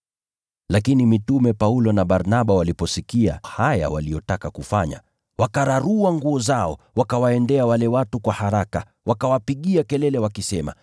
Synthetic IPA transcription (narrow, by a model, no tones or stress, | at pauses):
lakinimitumɛpaulɔnaɓaɾnaɓawalipɔsikia̰haja̰walijɔtakakufaɲa̰ | wakaɾaɾuaŋɡuɔzaɔ | wakawaɛndɛawalɛwatukwahaɾaka | wakawapiɠiakɛlɛlɛwakisɛma̰